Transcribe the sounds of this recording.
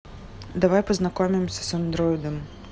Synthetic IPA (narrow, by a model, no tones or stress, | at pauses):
d̪avajpəznakɔmʲimsʲɐsand̪ɾɔjd̪ɐm